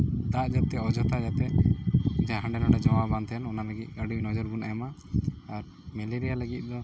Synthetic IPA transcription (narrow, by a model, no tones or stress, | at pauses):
d̪aʔd͡ʒat̪̚ːɛɔd͡ʒɔt̪ʰajat̪ɛ | d͡ʒaɦãɳɖɛnɔɽɛd͡ʒɔwabant̪ʰɛnɔnaləɡit̪̚ˀɡaɖunɔd͡ʒɔɾɡunajamaː | ɾ | mɛliɾijaləɡit̪̚ˀd̪ɔ